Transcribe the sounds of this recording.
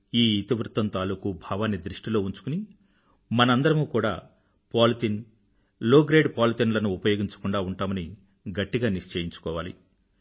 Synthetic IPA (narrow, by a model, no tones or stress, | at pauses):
iːit̪iʋɾut̪ːɐmt̪aːlukubʱaːʋaːnːid̪ɾiʂʈilo̞ːuɲt͡ʃu̥kuni | mɐnɐɐnd̪ɐɾɐmuːkuːɽa̰ː | paːlit̪in | loːɡɾeːɖpaːlit̪inlɐnuːpɐjo̞ːɡiɲt͡ʃɐ̥kuɳɖaːuɳʈaːmɐni | ɡɐʈːiɡaːniʂt͡ʃeːjiɲt͡ʃu̥kɔːʋaːlḭ